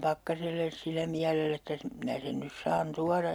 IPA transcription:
pɑkːɑselːes silːæ miælelː etːæ s minæ sen nys sɑːn tuɑrɑj

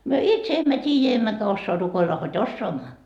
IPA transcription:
myø itse emːæ tʲiːjæ emːækæ osːoɑ rukoilːɑ hod osːoɑmːɑ

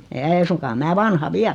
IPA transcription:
ei̞ suŋkɑː mæː ʋɑnhɑ ʋiæl

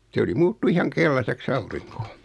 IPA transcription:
se oli muːtːu ihɑŋ kelːɑseks ɑuriŋko

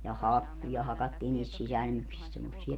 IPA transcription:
jɑ hɑkːujɑ hɑkɑtːiːn niːst sisælmyksist semːosːiɑ

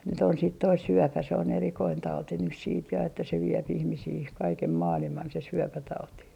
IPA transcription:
nyt on siˑt toi syøpæ se on erikoin tɑuti nys siːt jɑ etːæ se ʋiep ihmisiː kɑikem mɑːlimɑn se syøpætɑuti

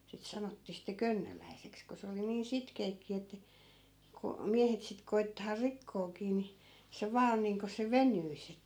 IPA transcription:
sit sɑnotːiː sitːe kønːølæiseks ko se oli niːn sitkeːkːi etːæ ko miæhet sit koi̯tːɑː rikːoːkiː ni se ʋɑː on niːŋko se ʋenyis

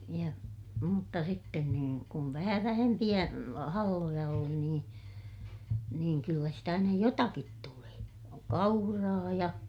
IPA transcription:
jɑ mutːɑ sitːen kun kum ʋæhæ ʋæhempij̆æ hɑlːojɑ oli niːn niːŋ kylːæ sitæ nyj jotɑkit tuleː kɑurɑː jɑ

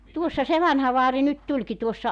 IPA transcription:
tuosːɑ se ʋɑnhɑ ʋɑːri nyt tulʲki tuosːɑ

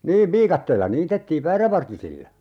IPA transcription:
niːʋ ʋiːkɑtːeːlːɑ niːtetːiːʋ ʋæːræʋɑrtisilːɑ

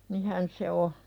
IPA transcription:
nihæn se o

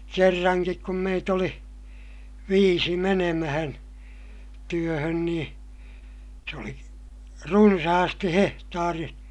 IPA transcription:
kerːɑŋkik kum meit oli ʋiːsi menemæhæn tyøhøn niː se oli runsɑhɑsti hehtɑːri

